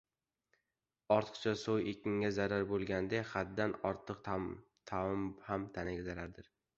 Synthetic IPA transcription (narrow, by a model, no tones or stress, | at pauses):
ɒɾt̪ʰɨ̥qt͡ʃʰasowjekʲɪŋʲazaɾaɾbolˠɡʲand̪eχad̪ːanɒɾt̪ʰɨq | t̪ʰamhamt̪ʰanɪɡʲazaɾaɾd̪ɪɾ